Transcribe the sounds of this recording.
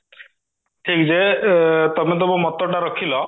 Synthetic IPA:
ʈʰiːkd͡ʑet̪ɔmẽt̪̬obomɔt̪ːoʈaɾəkʰilɔ

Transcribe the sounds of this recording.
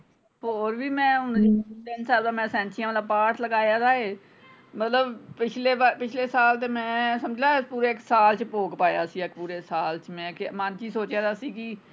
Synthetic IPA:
hoːɾbiːmɛ̃ːʊnd̪iːd̪ensaːld̪aːmɛ̃ːsɛ̃ːnt͡ʃʰijãːaːlaːpaːʈʰləɡaːjaːd̪aːeː | mət̪ləbpɪt͡ʃʰleːapɪt͡ʃʰleːsaːlt̪eːmɛ̃ːsəmd͡ʒʱd̪aːpuːɾeːksaːlt͡ʃpoːɡpaːja̰ːsĩːəkpuːɾeːsaːlt͡ʃmɛ̃ːkmant͡ʃiːsoːt͡ʃjãːd̪aːsiːkɪ

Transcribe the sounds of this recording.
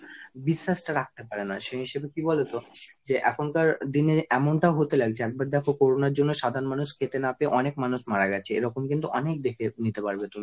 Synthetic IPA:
biʃːaʃʈaɾak̚t̪epaɾenaʃeɦiʃebekibɔlet̪od͡ʑeʔɛkʰonkaɾd̪ineɛmonʈaoɦot̪elaɡt͡ɕʰeɛk̚baɾd̪ɛkʰokoɾonaɾd͡ʑonːoʃad̪ʱaɾonmanuʃkʰet̪enapeʔɔnekmanuʃmaɾaɡɛt͡ɕʰeeɾɔkomkint̪uʔɔnek̚d̪ekʰenit̪epaɾbet̪umi

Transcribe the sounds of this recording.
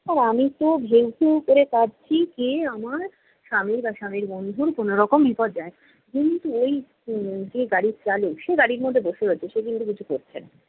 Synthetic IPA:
aɾamit̪obʱewt̪ewkoɾek̪at͡ɕʰikeamaɾ | ʃamiɾbaʃamiɾbond̪ʱuɾkonoɾɔkombʱipɔɾd͡ʑae | kint̪uoj | d͡ʑeɡaɽit͡ɕalewʃeɡaɽiɾmod̪ʱːeboʃeɦoet͡ɕʰeʃek̬int̪ukit͡ɕʰukoɾt͡ɕʰen

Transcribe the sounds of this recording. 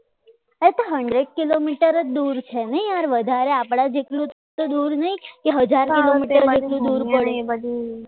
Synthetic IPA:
et̪oɦəɳɖɾeɖ̚kilomiʈəɾəd͡ʒd̪uɾt͡ʃʰenəjaɾʋəd̪ʱaɾeapɽ̃ad͡ʒeʈlũ | t̪od̪uɾnəɦikeɦəd͡ʒaɾkilomiʈəɾd͡ʒelũd̪uɾpəɽu

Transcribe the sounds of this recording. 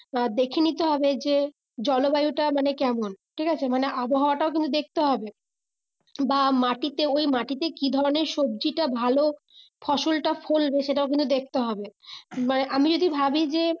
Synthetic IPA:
d̪ekʰenit̪eɦɔbed͡ʑe | d͡ʑɔlobajuʈamanekɛmonʈʰikat͡ɕʰemaneʔaboɦaoaʈaok̬int̪ud̪ek̚ʰt̪eɦɔbe | bamaʈit̪eojmaʈit̪ekid̪ʱɔɾoneɾʃob̚d͡ʑiʈabʱalo | fʰɔʃolʈafʰolbeʃeʈ̬aok̬int̪ud̪ek̚t̪eɦɔbemaneʔamid͡ʑod̪ʱibʱabid͡ʑe

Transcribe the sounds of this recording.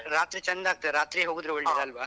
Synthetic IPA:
ɾaːt̪ɾit͡ʃɐnd̪aːɡ̚t̪ːɐeɾaːt̪ɾiɦoɡud̪ɾuoɭʈid̪ɐlʋaː

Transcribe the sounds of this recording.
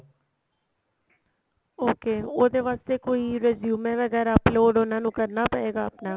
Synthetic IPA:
oːkeːoːd̪eːʋaːst̪eːkoːiːɾeːzjuːmɛːʋəɡɛːɾaːploːɖonãːnũːkəɾnaːpəeːɡaːəpnaː

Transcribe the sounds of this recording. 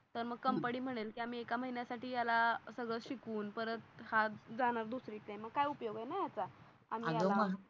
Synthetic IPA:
t̪əɾməɡ̚kəmpəɽiːm̤əɽ̃elkiːam̤iːekaməɦinjasaʈiːjalasəɡɭəɕikuːnpəɾət̪had͡zaɽ̃aɾd̪usɾiːt̪ẽməɡ̚kajupjoɡajnajat͡sa | a̰m̤iajdaoməɦ

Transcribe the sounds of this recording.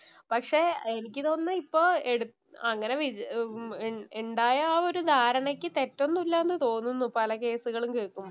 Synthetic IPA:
pɐkʂe̞ːenikʲːɨt̪o̞ːnːɨipːoːeɽu | ɐŋːɐne̞ʋid͡ʑ | eɳɖaːjɐːo̞ɾud̪ʱaːɾɐɳɐkʲːɨt̪e̞tːo̞nːulːɐenːɨt̪o̞ːnːunːupɐlɐke̞ːsuɣɐɭumkeːɭkːumbo

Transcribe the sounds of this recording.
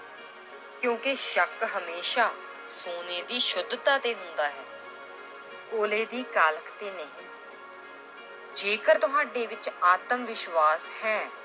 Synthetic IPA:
kjõːkeʃəkɦəmeːʃaː | soːneːd̪iːʃʊd̪t̪aːt̪eːɦʊnd̪aːɦɛː | koːleːd̪iːkaːləkt̪eːnəɦĩː | d͡ʒeːkəɾt̪ʊɦaːɖeːʋɪt͡ʃaːt̪əmʋɪʃʋaːshɛː

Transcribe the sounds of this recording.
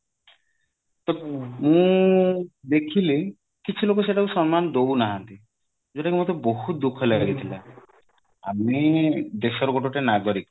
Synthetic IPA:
t̪ɔmũ | d̪ekʰile | kit͡ʃʰulokoseʈausɔnmand̪ounaɦɔnt̪i | d͡ʒoʈakimod̪eboɦut̪̚d̪ukʰɔlaɡaɡit̪ʰila̰ | amid̪eʃɔɾɡoʈoʈenaɡoɾik

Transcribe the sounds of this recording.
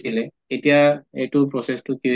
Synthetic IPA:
ilɛ | etijaetʊpɹɔsestʊki

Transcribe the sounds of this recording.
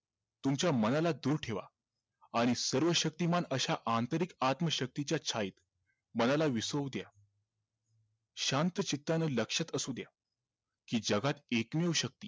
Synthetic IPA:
t̪umt͡ɕjamənalad̪uːɾʈʰeʋa̰ | aɽ̃isəɾʋəɕək̚t̪imanəɕaʔant̪əɾikat̪məɕək̚t̪it͡ɕjat͡ɕʰaiːt̪ | mənalaʋisəʋd̪ja | ɕãnt̪ət͡ɕit̪ːanəːləkʂət̪əsuːd̪ja | kiːd͡ʑəɡat̪ekmewɕək̚t̪iː

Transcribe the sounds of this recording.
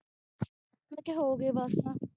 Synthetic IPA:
keɦoːɡeːbaːst̪ãː

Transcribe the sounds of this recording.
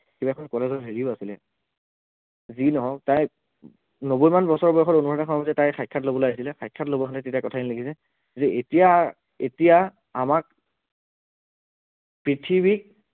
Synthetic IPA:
kibaɛkʰɔnkɔlɛzɔɹɦeɹiʊasilɛ̰ | zinɔɦɔtaj | nobojmanbɔsɔɹbɔɹxʰɔtonupʰɔatakʰɔnɔbazɛtajxʰajkʰːatlobɔlojais̬ilɛxʰajkʰːatlobɔkʰantɛtetiakɔtʰadinilekʰisɛ | zɛetija | ḛtija | amak̚ | pɹitʰibik̚

